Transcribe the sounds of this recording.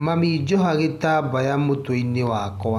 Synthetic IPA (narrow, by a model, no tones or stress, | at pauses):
mamid͡ʒɔɦaɣetabajamotoinːewaːkɔ